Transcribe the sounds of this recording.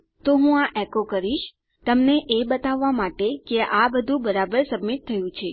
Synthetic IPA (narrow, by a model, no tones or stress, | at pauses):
t̪oɦũaʔɛkokəɾiʃ | t̪əmneʔebət̪aʋːamaʈekeʔabəd̪ʱũbəɾabəɾsəbmit̪ʰːəjũt͡ʃʰe